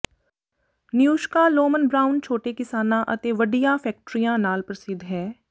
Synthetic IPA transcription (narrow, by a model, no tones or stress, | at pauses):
njuːʃkaloːmənbɾaːʊnt͡ʃʰoːʈekɪsaːnãʔɐt̪eːʋəɖijãfʰɛːk̚ʈɾijãnaːlpɾɐsɪd̪ɦɛː